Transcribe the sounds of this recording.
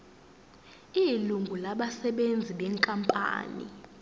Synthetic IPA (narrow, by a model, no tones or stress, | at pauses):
iluŋɡʱulaɓasɛɓend͡zʱiɓɛŋkʼampʼa̰ːnḭ